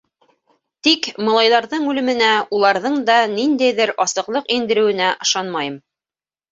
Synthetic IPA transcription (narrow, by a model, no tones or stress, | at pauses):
t̪ikmɤ̆lˠɑjðɑɾðɤɴʉlɘ̆mɘ̆næulˠɑɾðɤɴd̪ɑnind̪æjðɘɾɑsɤ̆qlˠɤqind̪ɘ̆ɾɘ̆wɘ̆næʔɤ̆ʃɑnmɑjɤm